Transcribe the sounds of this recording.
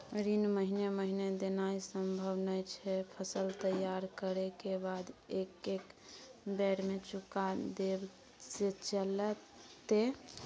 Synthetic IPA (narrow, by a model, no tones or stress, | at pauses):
ɾinməɦineməɦined̪enaisəmbʱəbnəjt͡ʃʰɛpʰəsəlt̪əjaɾkəɾekebad̪ekekbɛɾmet͡ʃukad̪eb | set͡ʃələt̪ːe